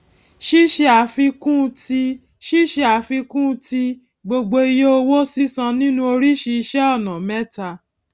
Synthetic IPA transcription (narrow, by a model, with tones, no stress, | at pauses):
ʃi˦ʃe˧a˨˦fi˧kũ˦˧ti˧ | ʃi˦ʃe˧a˨˦fi˧kũ˦˧ti˧ | ɡ͡bo˧ɡ͡bo˧i˧jo˦o˧wo˦si˦sã˧nĩ˦nũ˦o˧ɾi˦ʃi˧i˧ʃɛ˦ɔ˦˨nã˨mɛ̃˦ta˧